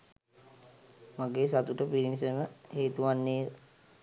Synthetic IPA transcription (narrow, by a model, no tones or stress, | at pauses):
maɡeːsat̪uʈəpiɾinis̬eməheːt̪uʋanːeː